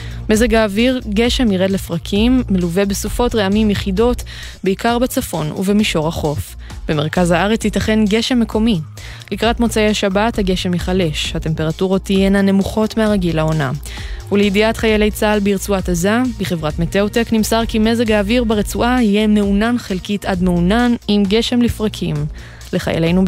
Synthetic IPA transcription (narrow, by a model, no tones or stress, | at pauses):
mezeɡaːviʁɡe̞ʃe̞miʁedle̞fʁakʰimːeluve̞besufo̞tʁeamimjeχido̞t | beikaʁbet͡safo̞nṵvemiʃo̞ʁaχo̞f | b̥e̞me̞ʁkazhaaʁet͡shitaχe̞nɡe̞ʃe̞mːe̞kʰo̞mi | likʁatmo̞t͡saejaʃabathaɡe̞ʃe̞miχale̞ʃhate̞mpe̞ʁatuʁot̪ːijenane̞muχo̞tmeaʁaɡilao̞na̰ | uleidiatχajele̞jt͡salbeiʁt͡suatazabiχe̞vʁatmeteoteknimsaʁkime̞zeɡaːviʁbeʁet͡suʔahijeme̞unanχelkitadme̞unanimɡe̞ʃe̞mlifʁakʰim | le̞χa̰jḛlejnu